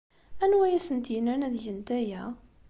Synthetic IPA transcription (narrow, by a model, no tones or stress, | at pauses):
ænwæjæsənt̪jnænæðjənt̪æjæ